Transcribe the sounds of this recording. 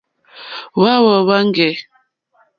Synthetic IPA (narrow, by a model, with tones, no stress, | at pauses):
wa˦wɔ˨wa˦ŋ˦ɡɛ˨